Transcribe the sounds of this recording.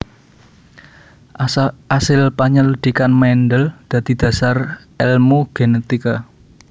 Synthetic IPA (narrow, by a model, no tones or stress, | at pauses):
asɪlpaɲəlud̪̥ikanmɛndəld̪̥ä̤d̪̥i̤d̪̥ä̤sar | ɛlmoɡ̥enet̪ika